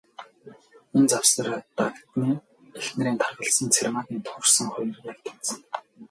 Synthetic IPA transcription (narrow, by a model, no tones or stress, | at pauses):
ent͡sawsə̆rt̪akt̪niː | exnĕɾiːnt̪ʰarʁə̆ɮsə̆nt͡sʰerʲmat̪iːnt̪ʰʊrsə̆ŋχʊj̆rjakt̪ʰe̥sə̆ŋ